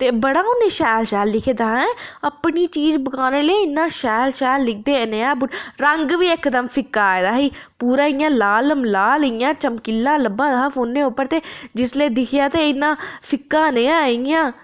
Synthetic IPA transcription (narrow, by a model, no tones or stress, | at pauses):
t̪eːbəɽaːʊnẽːʃɛːlʃɛːlːɪkʰed̪aːɛ̃ːəpɳiːt͡ʃiːzbəkaːneːleːɪnːãːʃɛːlʃɛːlːɪk̚ʰd̪eːneːãːbʊɾəŋɡʋiːɪkːd̪əmpʰɪkːaːed̪aːɦiːpuːɾaːɪjãːlaːləmlaːlijãːt͡ʃəmkɪlːãːləbãːd̪afʰoːnːeːʊpːəɾt̪eːd͡ʒɪsleːd̪ɪkʰɪjaːt̪eːɪnːãːpʰɪkːãːnẽːãːɪãː